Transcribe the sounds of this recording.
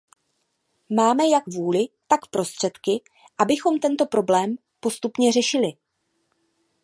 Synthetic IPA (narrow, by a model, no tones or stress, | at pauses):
maːmɛjakvuːlɪt̪akpɾo̞st̪r̝̥ɛt̪kɪ | ʔabɪxo̞mt̪ɛnt̪o̞pɾo̞blɛːm | po̞st̪upɲɛrɛʃɪlɪ